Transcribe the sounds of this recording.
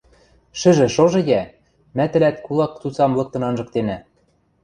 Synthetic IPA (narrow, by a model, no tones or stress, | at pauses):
ʃɘ̆ʒɘ̆ʃoʒɤ̆jæ | mæt̪ɘ̆læt̪kulˠɑk̚t͡sut͡sɑmlˠɤ̆k̚t̪ɤ̆nɑnʒɤ̆kt̪enæ